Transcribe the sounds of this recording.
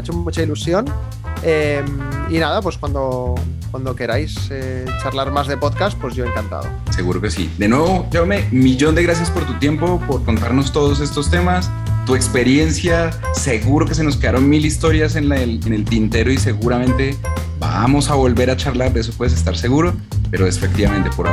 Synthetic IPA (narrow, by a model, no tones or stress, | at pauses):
et͡ʃomut͡ʃailusjo̞n | eminaðapwe̞skwand̪o̞kwand̪o̞ke̞ɾajse | t͡ʃaɾlaɾmazðepo̞ðkas̚pwe̞zʝo̞eŋkant̪a̰ðo̰se̞ɣuɾo̞ke̞sḭd̪e̞nwe̞βo̞t͡ʃome̞miʝo̞nd̪e̞ɣɾas̬jaspo̞ɾt̪ut̪je̞mpo̞po̞ɾko̞nt̪aɾno̞st̪o̞ð̞o̞s̬e̞st̪ost̪e̞mas | t̪ue̞kspe̞ɾje̞nsja | se̞ɣuɾo̞ke̞s̬e̞no̞s̬ke̞ðaɾo̞nmilist̪o̞ɾjas̬e̞nelene̞lt̪int̪e̞ɾo̞ise̞ɣuɾamẽ̞nt̪e̞ | ba̰mo̞saβo̞lβe̞ɾat͡ʃaɾlaɾðes̬opwe̞ðes̬est̪aɾse̞ɣuɾo̞ | pe̞ɾoesefekt̪iβamẽ̞nt̪e̞poɾa̰